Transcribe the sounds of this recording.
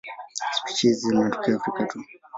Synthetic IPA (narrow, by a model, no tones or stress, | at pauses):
spi̥t͡ʃizimatɔ̥kiɔfɾikatu